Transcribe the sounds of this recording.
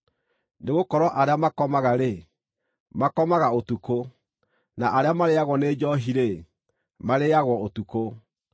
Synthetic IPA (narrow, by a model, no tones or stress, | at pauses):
neɣokɔɾwɔʔaɾeamakɔmaɣaɾe | makɔmaɣaotuko | naʔaɾeamaɾeaɣwɔned͡ʒɔɦiɾe | maɾeaɣwɔotuko